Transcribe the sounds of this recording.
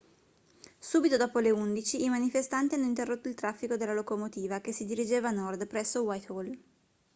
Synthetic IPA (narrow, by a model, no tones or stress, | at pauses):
suːbit̪od̪ɔːpoleund̪it͡ʃiːmanifest̪ant̪ianːoint̪erːot̪ːoilt̪ɾafːikod̪elːalokomot̪iːvakesid̪iɾid͡ʒeːvanɔrd̪pɾɛsːowajt̪ol